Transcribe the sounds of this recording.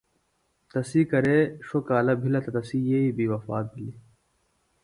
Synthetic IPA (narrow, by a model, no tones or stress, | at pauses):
t̪ɐsiːkɐɾeːʃokaːlɐbʱilɐt̪ɐt̪ɐsiːjeibiːwɐfaːt̪̚bʱili